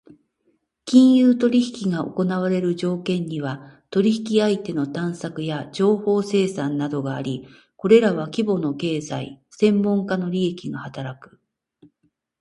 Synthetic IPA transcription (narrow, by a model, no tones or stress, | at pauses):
kʲĩɰ̃jɯːt̪o̞ɾʲiçi̥kʲiɡao̞̰ko̞naβaɾe̞ɾɯ̟ʑo̞ːkẽ̞ɲ̟ːiβat̪o̞ɾʲiçi̥kʲiait̪e̞no̞t̪ãɰ̃sakɯ̟jad͡ʑo̞ːho̞ːse̞ːsãnːad̪o̞ɡaːɾʲi | ko̞ɾe̞ɾaβakʲibo̞no̞ke̞ːzaḭsẽ̞mːõ̞ŋkano̞ɾʲie̞kʲiɡahat̪aɾakɯ̟̥